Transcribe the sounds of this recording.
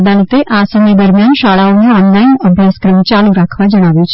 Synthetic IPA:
d̪alit̪eʔasəmjed̪əɾmjanʃaɭaonũɔnlainəbʱjaskɾəmt͡ʃaluɾakʰʋad͡ʒəɽ̃aʋjũt͡ʃʰ

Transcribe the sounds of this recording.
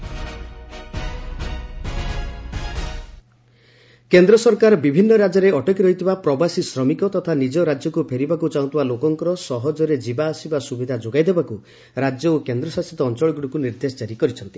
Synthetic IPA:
kend̪ɾɔsɔɾkaɾbibʱinːɔɾad͡ʒɔɾeʔɔʈɔkiɾɔɦit̪ʰibapɾɔbasisɾɔmikɔt̪ɔt̪ʰanid͡ʒɔɾad͡ʒjɔkupʰeɾibakut͡ʃaũt̪ʰibalokɔŋkɔɾɔsɔɦɔd͡ʒɔɾed͡ʒibaːsibasubid̪ʱad͡ʒoɡajd̪ʱebaku | ɾad͡ʒjɔokend̪ɾɔsasit̪ɔːnt͡ʃɔɭɔɡuɽikuniɾd̪esɔt͡ʃaɾikɔɾit͡ʃʰɔnt̪i

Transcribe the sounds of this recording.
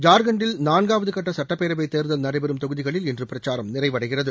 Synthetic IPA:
d͡ʒaːɾɡɐɳɖɪlnaːnɡaːʋɐðɯkɐʈːɐsɐʈːɐpːeːɾɐbɐɪt̪ːeːɾðɐlnɐɽɐɪbɛɾɯmt̪ɔɣɯðɪɣɐɭɪlɛndrɯpɪɾɐt͡ʃːaːɾɐmnɪrɐɪʋɐɽɐɪɣɪrɐðɯ

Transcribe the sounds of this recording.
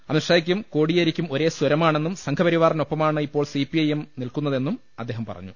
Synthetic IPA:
ɐ̰miʂaːjikʲːumko̞ːɽijɐɾikʲːumo̞ɾe̞ːswɐɾɐmaːɳe̞nːumsɐŋkʰɐpɐɾiʋaːrɐno̞pːɐmaːɳɨipːo̞ːɭsipiɐjemnilkunːɐðe̞nːum | ɐd̪ʱːe̞ːɦɐmpɐ̰rɐ̰ɲːu

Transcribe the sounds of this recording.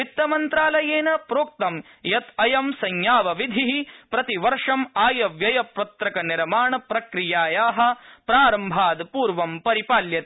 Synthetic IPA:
it̪ːɐmɐnt̪ɾaːlɐjeːnɐpɾoːk̚t̪ɐm | jɐt̪ɐjɐmsɐɲjaːʋɐʋid̪ʱiɦipɾɐt̪iʋɐɾʂɐmaːjɐʋjɐjɐpɾɐt̪ɾɐkɐniɾmaːɳɐpɾɐkɾijaːjaːɦɐ̆pɾaːɾɐmbʱaːd̪puːɾʋɐmpɐɾipaːljɐt̪e

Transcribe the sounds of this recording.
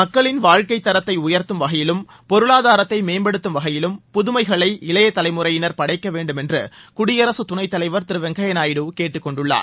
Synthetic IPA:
mɐkːɐɭɪnʋaːɻkɐɪt̪ːɐɾɐt̪ːɐɪʊjɐɾt̪ɯmʋɐɣɐjɪlɯm | pɔɾɯɭaːðaːɾɐt̪ːɐɪmeːnbɐɽɯt̪ːɯmʋɐɣɐjɪlɯmpʊðʊmɐɪɣɐɭɐɪɪlɐjɐt̪ːɐlɐɪmɯrɐjɪnɐɾpɐɽɐɪkːɐʋeːɳɖɯmɛndrɯ̰kʊɽɪjɐɾɐsɯt̪ʊnɐɪt̪ːɐlɐɪʋɐɾt̪ɪɾɯʋɛŋɡɐjɐnaːjɪɽɯkeːʈːɯkːɔɳɖɯɭːa̰ː

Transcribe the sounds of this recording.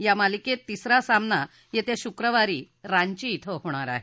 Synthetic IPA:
jamaliket̪ːisɾasamna | jet̪eɕukɾəʋaɾiː | ɾaɲt͡ɕiːt̪ʰəɦoɽ̃aɾa̰ɦe

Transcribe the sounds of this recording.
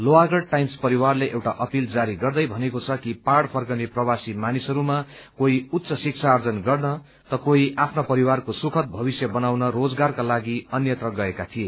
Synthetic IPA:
loaɡʌɽ̚ʈajmspʌɾiwarleʔewʈaʔʌpild͡zaɾiɡʌrd̪ʌjbʱʌnekot͡sʰʌkiparɽpʰʌrɡʌwneprʌwasimanisʌɾumakoiut̪ːt͡sʌsik̚t͡sʰaːrd͡zʌnɡʌrnʌ | t̪ʌkoiʔapʰnapʌɾiwarkosukʰʌt̪̚bʱʌβisjʌbʌnawnʌrod͡zɡarkalaɡiʌnjʌt̪rʌɡʌekat̪ʰie

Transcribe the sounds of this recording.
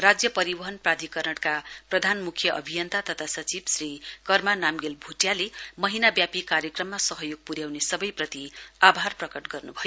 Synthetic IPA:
rad͡zjʌpʌɾibʌɦʌnprad̪ʱikʌrnʌɽkaprʌd̪ʱanmukʰjʌʔʌ̰bʱijʌnt̪ʰat̪ʌt̪ʰasʌt͡sibsrikʌrmanamɡelbʱuʈjalemʌɦinabjapikaɾjʌkrʌmːasʌɦʌjoɡ̚puɾjawnesʌbʌjprʌt̪iabʱarprʌkʌʈɡʌrnubʱʌjo

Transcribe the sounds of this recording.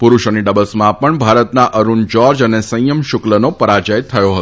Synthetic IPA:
pʊɾuʃəniɖəbəlsmãpəɳbʱaɾət̪naʔəɾund͡ʒɔɾd͡ʒənesə̃jəmʃʊklənopəɾad͡ʒəjt̪ʰəjoɦət̪

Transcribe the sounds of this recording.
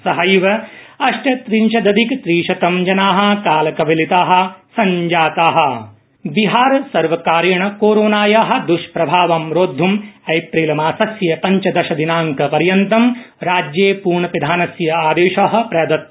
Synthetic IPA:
sɐɦɐjʋɐ | ɐʃʈɐt̪ɾiɲʃɐd̪ɐd̪ikt̪ɾiːʃɐt̪ɐmd͡ʒɐnaːɦɐ̆kaːlɐkɐʋɐlit̪aːɦɐ̆sɐɲd͡ʒaːt̪aːɦɐ̆ | biɦaːɾɐsɐɾʋɐkaːɾjɐɳɐkoːɾoːnaːjaːɦɐ̆d̪uʃpɾɐbʱaːʋɐmɾoːd̪ʱːumeːpɾiːlɐmaːsɐsjɐpɐɲt͡ʃɐd̪ɐʃɐd̪inaːŋkɐpɐɾjɐnt̪ɐm | ɾaːd͡ʒjeːpuːɾɳɐpid̪ʱaːnɐsjɐaːd̪eːʃaːɦɐ̆pɾɐjɐd̪ɐt̪̚

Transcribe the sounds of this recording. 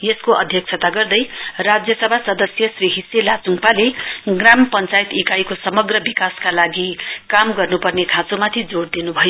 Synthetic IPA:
jeskoʔʌ̰d̪ʱjʌk̚t͡sʰʌt̪aɡʌrd̪ʌjrad͡zjʌsʌbʱasʌd̪ʌsjʌsriɦisjelat͡suŋpaleɡrampʌnt͡sait̪ikajkosʌmʌɡrʌbikaskalaɡikamɡʌrnupʌrnekʰãt͡somat̪ʰid͡zoɽd̪inubʱʌjo

